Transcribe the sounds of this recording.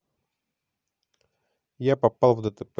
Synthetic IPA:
japɐpalˠvd̪ət̪əp

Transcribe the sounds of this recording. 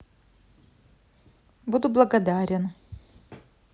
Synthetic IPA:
bud̪ʊblˠɐɡɐd̪aɾʲɪn

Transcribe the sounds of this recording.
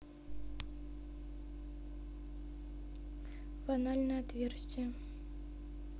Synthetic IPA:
bɐnalʲnəjɐt̪vʲersʲt̪ʲɪjə

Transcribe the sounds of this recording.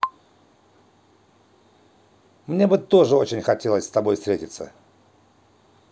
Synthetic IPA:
mnʲe̞bɨt̪o̞ʐɨo̞t͡ɕɪnʲxɐtʲelˠəsʲst̪ɐbo̞jfst̪ɾʲetʲɪt̪sə̰

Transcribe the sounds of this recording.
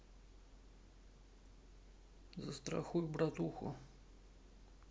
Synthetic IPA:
zɐst̪ɾa̰xujubɾat̪uxʊ̰

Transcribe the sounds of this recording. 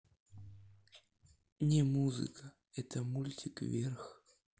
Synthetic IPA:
nʲɪmuzɨ̰kʰə | ɛt̪əmulʲtʲɪkvʲerx

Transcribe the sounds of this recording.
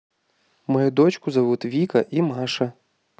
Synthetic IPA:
mɐjud̪ɔt͡ʃkʊzɐʋut̪ʋʲikɐʔimɑʃɐ

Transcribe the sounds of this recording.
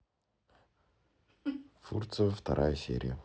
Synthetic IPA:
furt̪sɨəft̪ɐɾʔajəsʲḛɾʲɪ̰jə

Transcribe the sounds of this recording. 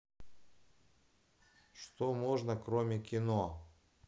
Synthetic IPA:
ʂt̪omoʐnəkɾomʲɪkʲɪno

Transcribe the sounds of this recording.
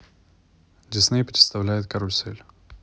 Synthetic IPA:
dʲɪsnɨjpɾʲɪt̪st̪ɐvlʲæjɪt̪̚kɐɾolʲsɛlʲ

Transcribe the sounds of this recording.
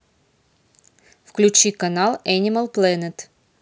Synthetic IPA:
fklʲʉt͡ɕikɐnalˠɛnʲɪməlˠplˠɛnʲət̪

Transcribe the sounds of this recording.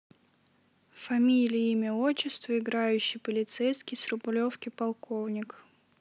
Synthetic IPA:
fɐmʲilʲɪjimʲɪot͡ɕːɪst̪vəɪɡɾajʉɕːɪjpəlʲɪt̪sɛjskʲɪjsrʊblʲofkʲɪpɐlˠko̞vnʲɪk

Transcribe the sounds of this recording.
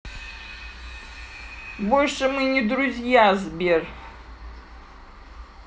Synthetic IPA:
bolʲʂɨmɨnʲɪd̪ɾʊzʲjazbʲer

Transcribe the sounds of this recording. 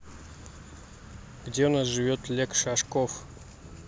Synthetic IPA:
ɡ̥dʲeunasʒɨvʲot̪lʲekʂaʂkof

